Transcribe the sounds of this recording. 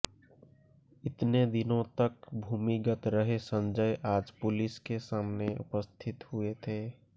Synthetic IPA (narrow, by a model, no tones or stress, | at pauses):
ɪt̪ned̪ɪnõt̪əkbʱuːmiɡət̪ɾəɦesə̃nd͡ʒəjʔaːd͡ʒpʊlɪskesaːmneʊ̰pəst̪ʰɪt̪huet̪ʰeː